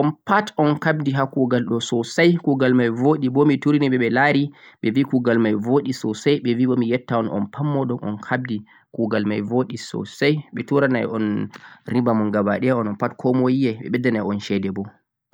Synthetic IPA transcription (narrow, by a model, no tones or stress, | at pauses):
ʔɔnpatɔnkab̚diɦakuɡalɗɔsɔsajkuɡalmajvoɗibɔmituɾiniɓɛɓɛlaɾiɓɛvikuɡalmajvoɗisɔsajɓɛviɓɔmijɛtːaɔnɔ̰npʰamːɔɗɔnɔ̰nkʰab̚di | kuɡalmajvoɗisɔ̰sajɓɛtuɾanajɔnɾibamɔnɡaba̰ɗɛjaɔnɔnpatkʰɔmojiɛɓɛ̰ɓɛdːanajɔnʃɛdɛbɔ